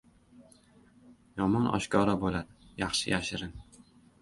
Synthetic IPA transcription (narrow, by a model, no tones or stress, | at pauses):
jɒmɒnɒ̰ʃkʰɒɾabolad̪ɪjɑχʃɪjaʃɪɾɪn